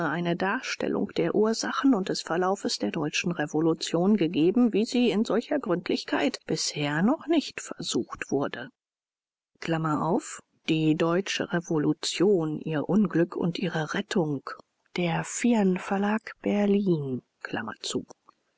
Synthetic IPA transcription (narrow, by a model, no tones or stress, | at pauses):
ʔaɪnədaːɐʃtɛ̰lʔʊ̰ŋkd̥eːɐʔuːɐzaχn̩ʊntd̥ɛsfɛɐlaʊfəsd̥eːɐdɔʏt͡ʃn̩ʁevolut͡sjoːnɡəɡeːbm̩viːziːɪnzɔlçɐɡʁʏntʰlɪçkʰaɪtb̥ɪsheːɐnɔχnɪçtfɛɐzuːxtv̥ʊɐdə | kl̥amɐʔaʊf | d̥iːdɔʏt͡ʃə̰ʁevolut͡sjoːnʔiːɐʔʊnɡlʏkʰʊ̰ntʔiːʁəʁɛtʰʊŋk | d̥eːɐfiɐnfɛɐlaːkb̥ɛɐliːn | kʰl̥a̰mɐ̰t͡sṵː